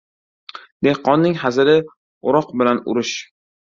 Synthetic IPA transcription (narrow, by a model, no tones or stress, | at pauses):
d̪e̞hqʰːɒnːɪŋhazɪɾɪ | ʊɾɒqbɪlanʊ̰ɾɪʃ